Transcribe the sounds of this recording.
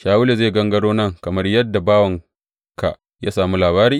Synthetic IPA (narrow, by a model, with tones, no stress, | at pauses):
ʃaː˨wʊ˦le˨zeː˦˨ɡɐ˦ŋɡɐ˦ɽoː˦nɐ˦ŋkɐ˨mɐ˦rjɐ˦dːa˨baː˦wɐ˨ŋ | ka˨ | jaː˦saː˨mu˦laː˨βaː˦ɾiː˦